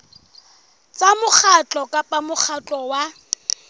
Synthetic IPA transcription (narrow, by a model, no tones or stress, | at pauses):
t͡sʼamʊk͡xʰat͡ɬʼɔkʼapʼamʊk͡xʰat͡ɬʼɔwa